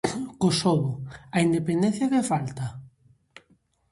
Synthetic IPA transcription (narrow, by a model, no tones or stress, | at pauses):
kosoβʊaind̪epend̪en̟θjakefalt̪a